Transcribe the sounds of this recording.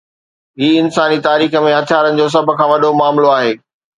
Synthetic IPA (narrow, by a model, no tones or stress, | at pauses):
ɦiːɪnsaːnit̪aːɾiːxə̆mẽɐt̪ʰjaːɾənɪ̆d͡ʑoːs̬ɐb̆ʱkʰãːʋɐɗomaːmloaːɦeː